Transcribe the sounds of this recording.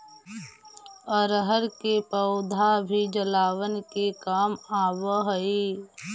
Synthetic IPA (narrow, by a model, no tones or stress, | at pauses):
ɔɾɦəɾkepəʊd̪ʱabʱid͡ʒəlaːʋənkekaːmaːwəɦəeː